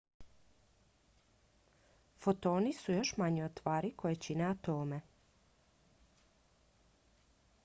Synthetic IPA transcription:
fot̪o̞ːnisujo̞ʃmaɲiot̪ʋaːɾikʰojet͡ɕineat̪o̞ːme

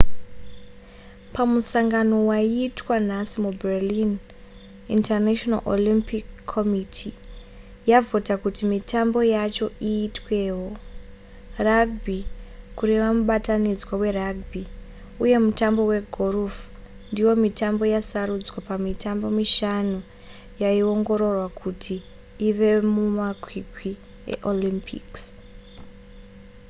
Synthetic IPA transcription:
pamusaŋɡano̞waitwan̤asimubʱerlin | ḭnternaʃna̰lʔo̰limpikʰːomitʰi | javʱo̞takutimitambo̞jat͡ʃo̞iːtwe̞ːwo̞ | raɡbʱikuɾe̞ʋamuɓatanid͡zwawe̞raɡbʱi | uje̞mutambo̞we̞ɡʱoruf | ndijo̞mitambo̞jasarud͡zwapamitambo̞miʃanu | jaio̞ŋɡo̞ɾo̞rwakʰutʰiː | ʋe̞mumakwikwi | ḛʔo̞limpʰḭks

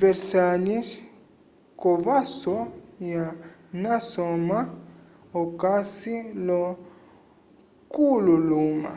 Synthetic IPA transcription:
vɛɾsanis | kʼɔvasɔjanasɔma | ɔkʼasilo | kʼululuma̰

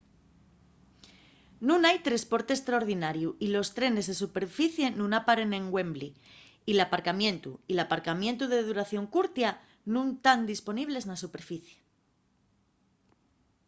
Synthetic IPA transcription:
nũnajt̪ɾe̞spo̞ɾt̪eːst̪ɾaoɾðinaɾjuʔilo̞st̪ɾe̞ne̞zðe̞supe̞ɾfiθje̞nũnapaɾe̞nẽ̞ŋɡwe̞mbli | ilapaɾkamjẽ̞nt̪uilapaɾkamjẽ̞nt̪uð̞e̞ð̞uɾaθjo̞ŋkuɾt̪ja | nũnt̪and̪ispo̞niβ̞le̞znasupe̞ɾfiθje̥

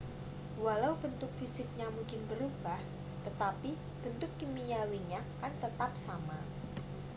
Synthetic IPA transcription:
walaubənt̪ʊk̚fisɪk̚ɲamuŋkɪnbəɾub̥ah | t̪ət̪api | b̥ənt̪ʊkːimijawiɲa | kant̪ət̪ap̚sama

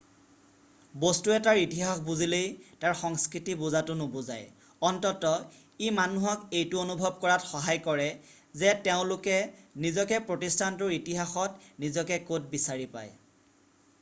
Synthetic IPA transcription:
bɔstuɛtaɹitiɦaxbuzilejtaɹxɔŋskɹitibuzatʊnʊbʊza̰j | ɔntɔtɔ | imanuɦɔkejtʊonubʱɔb̚kɔɹatxɔɦajkɔɹɛ | zɛteʊ̃lʊkɛnizɔkɛpɹotistʰantʊɹitiɦaxɔtnizɔkɛkot̚bisaɹipa̰j

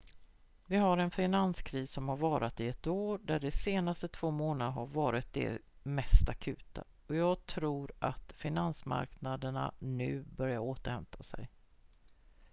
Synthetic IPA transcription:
vɪɦaɾɛnfɪnanskʰɾiːsːɔmhaɾvɑːɾat̪ɪɛt̪oːɖæɖɛseːnast̪ət̪ʰv̥oːmoːnad̪əɦaɾvɑːɾɪt̪̚d̪ɛ̰mɛst̪akʰʉ̟ːt̪ʰa̰ | ɔjɑːɡt̪ʰɾuːɾat̪fɪnansma̰ɾknad̪əɳa̰nʉ̟ːbœɾjaɾoːt̪əɾhɛmt̪ʰasɛ̰j

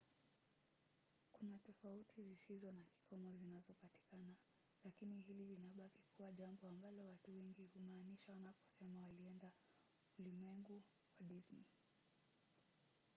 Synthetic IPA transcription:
kunatɔfautizisizɔnaki̥kɔmɔzinazɔpati̥kana | lakiniɦililinaɓakikuwaʄambɔambalɔwatuwɛŋɡihumaːniʃawanapɔ̥sɛmawaliɛnda | ulimwɛŋɡu | waɗisni

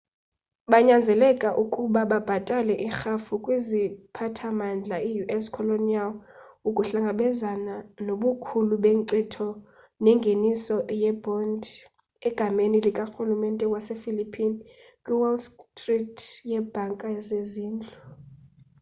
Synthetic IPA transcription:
ɓaɲand͡zʱɛlɛkʼaʔukʼuɓaɓab̥ʱatʼalɛʔixafukʼwezipʰatʰamand͡ɮʱaijuʔɛskʰɔlonialukʼuɬaŋɡʱaɓɛzananoɓukʰuluɓɛŋǀitʰɔ | nɛŋɡʱenisɔjɛb̥ʱɔnd | ɛɡ̥ʱamenilikʼaxulumɛntʼɛwasefilipʰʼini | kʼiwɔlstʼritʰʼjɛb̥ʱaŋkʼazeziːnd͡ɮʱu

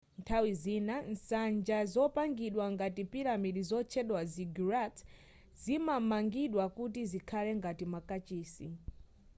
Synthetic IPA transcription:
ntʰawizinansand͡ʒazɔpaŋɡiɗwaŋɡatipiɾamiɗizɔt͡ʃʰɛɗwaziɡuɹatʰ | zimamaŋɡiɗwakutizikʰalɛŋɡatimakat͡ʃiːsi

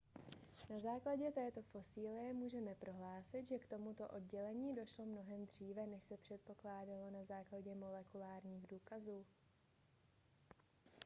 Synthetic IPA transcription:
nazaːklaɟɛt̪ɛːt̪o̞fo̞siːlɪjɛmuːʒɛmɛpɾʔo̞ɦlaːsɪt̪ʒɛkt̪o̞mut̪o̞̰ʔo̞d̚ɟɛlɛɲiːdo̞ʃlo̞mno̞ɦɛmd̪r̝iːvɛnɛʃsɛpr̥ɛt̪̚po̞klaːdalo̞nazaːklaɟɛmo̞lɛkulaːɾɲiːɣduːkazuː

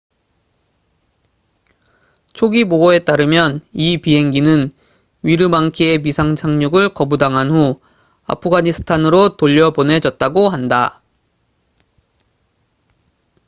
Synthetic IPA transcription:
t͡ɕʰoɡiboɡʌe̞t͈aɾɯmjʌnipiɦe̞ŋɡinɯn | ɥiɾɯmaŋkʰiemisʰaŋt͡ɕʰaŋɲuɡɯɭkʌbudaŋɦanhu | a̰pʰɯɡaɲisʰɯ̥tʰanɯɾotoʎːʌbone̞d͡ʑʌt̚t͈aɡoɦanda

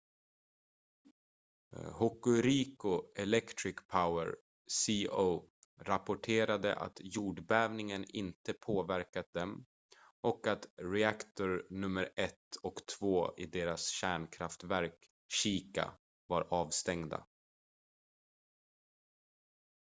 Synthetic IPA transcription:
hɔkʊɾiːkʊɛlɛkt̪ɾɪkpʰaʊə̰ɾ | siʔo | ɾapʊʈʰeːɾad̪ə̰ʔa̰t̪juːɖbɛːvnɪŋənɪ̰nt̪əpʰoːvæɾkat̪̚d̪ɛm | ʔɔkat̪ɾɛakt̪ʊɾnɵmːəɾɛt̪ɔkt̪ʰv̥oːɪd̪eːɾasɕæːɳkʰɾaft̪væɾk | ɕiːka̰ | vaɾɑːvst̪ɛŋd̪a̰

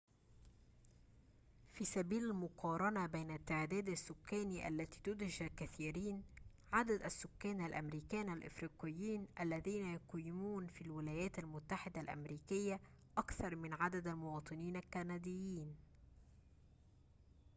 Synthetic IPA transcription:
fiːsabiːlalmʊqɑːɾˤɑnabajnat̪ːɪʕd̪æːd̪asːʊkːæːniʔa̰lːæt̪iːt̪ʊd̪ʒakaθiːɾiːn | ʕad̪ad̪asːʊkːæːnalʔa̰mɾiːkæːnalʔɪ̰fɾiːqɪjːiːnʔalːæðiːnajʊqɑjːɪmuːnfiːlwɪlæːjæːt̪almʊt̪ːaħɪd̪alʔa̰mɾiːkɪjːa | ʔakθɑɾˤmɪnʕad̪ad̪almʊwɑːt̪ˤɨniːnalkanad̪ɪjːiːn

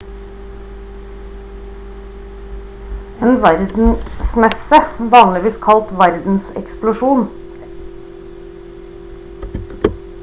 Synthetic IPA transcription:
eːnʋæɾd̪n̩smɛsəʋɑːnlɪʋiːskʰɑlt̪ʋæɾd̪n̩sɛ̰ksplʊʃuːn

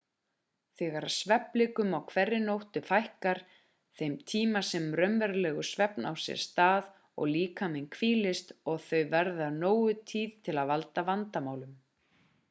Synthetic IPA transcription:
θɛːɣaɾasvɛplɪkʏmawkʰvɛrːɪnowht̪ʏfajhkaɾ̥ | θejmt̪ʰiːmasɛmɾœnvɛɾlɛːɣʏ̥svɛpna̰wsjɛ̰ɾ̥st̪aːð | ɔ̰ɣliːkamɪnkʰviːlɪst̪ɔɣθœɥvɛɾðanoːwʏt̪ʰiːðt̪ʰɪlaðvalt̪avant̪amaːwlʏm

